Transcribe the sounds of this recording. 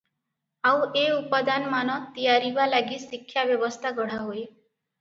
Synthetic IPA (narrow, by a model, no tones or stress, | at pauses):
awʔeupad̪anmanɔt̪ijaɾibalaɡisikʰːjabjɔbɔst̪ʰaɡɔɽ̤aɦoe